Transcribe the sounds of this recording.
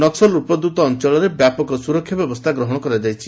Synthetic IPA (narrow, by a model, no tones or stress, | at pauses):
nɔksɔlupɔd̪ut̪ɔːnt͡ʃɔɭɔɾebjapɔkɔɔsuɾɔkʰjɔbjɔbɔst̪ʰaɡɾɔɦɔɽ̃ɔkɔɾad͡ʒajt͡ʃʰi